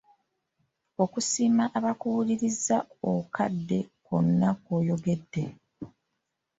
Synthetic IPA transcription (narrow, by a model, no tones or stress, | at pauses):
o̞kusiːmaʔaβakuwuliɾizaokʰadːe̞ko̞nːakoːjo̞ɡe̞dːe̞